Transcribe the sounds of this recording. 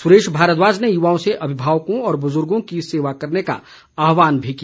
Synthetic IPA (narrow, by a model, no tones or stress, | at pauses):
sʊɾeːʃbʱaːɾət̪ʋaːd͡ʒnejʊʋaːõseʔɐbʱɪbʱaːʋkõɔːɾbʊzʊɾɡõkiseːʋakɐɾneka̰ | aːɦʋaːnbʱiki